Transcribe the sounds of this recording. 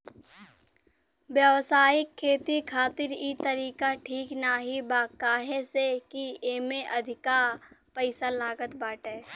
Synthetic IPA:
bjəʋsaːɪkʰːeːt̪ikʰaːt̪ɪɾit̪əɾiːkaʈʰiːknaɦibaːkaːɦesekieːmeʔɐd̪ʱɪkaːɾpəɪsalaːɡət̪baːʈeː

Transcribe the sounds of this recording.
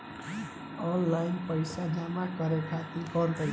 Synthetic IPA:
ɔnlaɪnpəjsad͡ʒamakəɾekʰat̪ikɔnt̪ə

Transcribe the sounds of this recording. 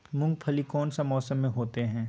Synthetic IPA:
mʊ̃ŋɡ̚pʰɐlikɔːnsamɔːsəmːẽɦoːt̪eɦɛ̃ː

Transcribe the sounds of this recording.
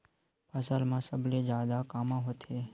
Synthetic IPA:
pʰəsəlmãːsəbʱleːd͡ʒaːd̪akaːmãːɦot̪ʰeː

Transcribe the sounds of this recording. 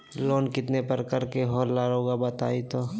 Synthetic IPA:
loːnkɪt̪nepɐɾkɐɾkeɦoːɾlaːɾoːɡabɐt̪aːit̪o

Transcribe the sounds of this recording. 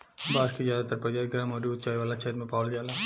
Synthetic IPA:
baːskizjaːd̪at̪ɐɾpɾɐd͡ʒaːd̪ɡɾaːmɔːɾiʊt̪t͡ʃaːjʋaːlat͡ʃʰɛɦɾmẽpaːʋld͡ʒaːla

